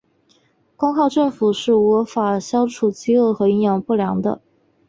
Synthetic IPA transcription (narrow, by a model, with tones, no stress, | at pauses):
kʊ˥ŋkʰɑ˥˧ʊʈ͡ʂɤ˥˩ŋfu˨˩ʂɻ̩˥˩wɔ˧˥fa˨˩ɕjɑ˥ʊʈ͡ʂʰu˨˩t͡ɕi˥o˥˩ʊxɤ˧˥i˧˥ŋjɑ˧˥ŋpu˥˩ljɑ˧˥ŋd̪ə̰˧